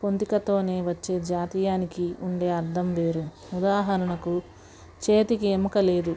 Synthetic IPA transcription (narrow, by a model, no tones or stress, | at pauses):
po̞nt̪ikɐt̪o̞ːne̞ːʋɐt͡ʃːe̞ːd͡ʒaːt̪iːjaːnikiuɳɖe̞ːɐɾd̪ʱɐmʋe̞ːɾu | ud̪aːɦɐɾɐɳɐku | t͡ʃeːt̪ikiemukɐle̞ːd̪u